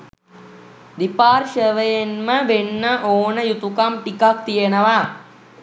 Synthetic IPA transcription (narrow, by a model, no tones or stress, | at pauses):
d̪ipaːrʃəʋəjenməʋenːəʔoːnəjut̪ukamʈikak̚t̪ijenəʋa